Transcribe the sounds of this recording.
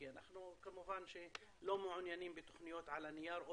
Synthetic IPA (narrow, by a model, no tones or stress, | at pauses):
anaħnukamʊfaːnʃi | loːmʊʕʊnjaːniːmbit̪ʊ̥xnɪjːoːt̪ʕalanɪjɑːɾˤʔʊ